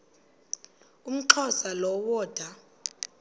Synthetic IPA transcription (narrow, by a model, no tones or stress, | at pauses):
um̩ǃʰɔsalɔwɔːd̥ʱa